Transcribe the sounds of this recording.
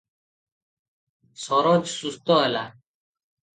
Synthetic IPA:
sɔɾɔd͡ʒsust̪ɔɛla

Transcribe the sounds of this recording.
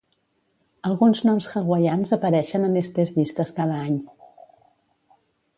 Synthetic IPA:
əlˠɣunznɔmsxəɣwəʎanzəpəɾɛʃənəmest̪ɾezβist̪əskað̞əaɲ

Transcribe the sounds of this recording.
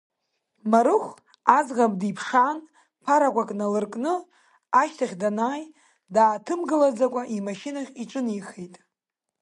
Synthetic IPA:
maɾɨχʷ | azʁamdipʰʂaːn | pʰaɾakʷʼakʼnalɨrkʼnɨ | aʃtʰaχʲdanaːj | daːtʰɨmɡɨlad͡zakʷʼaʔimaʃinaχʲiʈ͡ʂʼɨnijχejtʼ

